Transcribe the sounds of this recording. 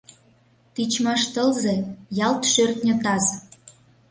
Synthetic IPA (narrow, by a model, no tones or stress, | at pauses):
t̪it͡ɕmɑʃt̪əlzejɑlt̪ʃørt̪nʲə̆t̪ɑz